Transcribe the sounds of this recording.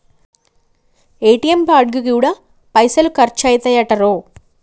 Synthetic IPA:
eːʈːijɐmpaːɽ̚ɡɯkɯjuɽɐ | pɐɪsɐlkɐɾt͡ʃaːjt̪ːɐjaːʈːɐɾoː

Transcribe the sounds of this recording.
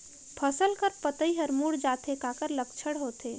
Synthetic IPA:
pʰəsəlkəɾpət̪əiɦəɾmuːɽd͡ʒaːt̪ekaːkəɾlək̚t͡ʃʰəɽɦoːt̪eː

